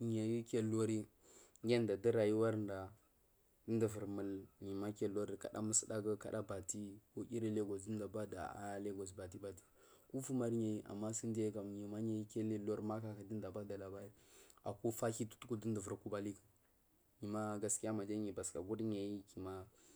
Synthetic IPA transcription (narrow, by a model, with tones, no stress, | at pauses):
ɲe˨ji˦kʲe˦lo˦ɾi˦ | ŋ˦ɡʲe˦nda˨də˦ɾa˨ji˦wa˦ɾnda˨ | də˦ndə˨və˨ɾmə˨lɲi˨ma˦ke˦lo˦ɾi˦ka̰˨ɗa̰˦mə˦sə˦da˦ɡə˦ka̰˨ɗa˦ba˨ti˦ko˦kʲi˦ɾi˦le˦ɡo˨sdi˦n˦da˨ba˦da̰˨a̰˦le˦ɡo˨s̬ba˨t̬i˦ba˨ti̥˦ | ku˦fu˦ma˦ɾɲe˨ji˦ʔa̰˨mːa˦si˦nde˦ka˨m˨ɲi˨ma˦ɲe˨i˦ke˦le˦lo˦ɾma˦ka˨ka˨di˦n˦da˨ba˦da˨la˨ba˦ɾi˦a˨ko˦fa˦ki˦tu̥˦tu˦ku˦də˦ndə˨və˨ɾku˦ba˦li˦ka˨ | ɲi˨ma˦ɡa˨ski˦ja˦ma˨d͡ʒa˦ɲi˨ba˨ska˨ɡu˦dɲa˨ji˦ki˨ma˦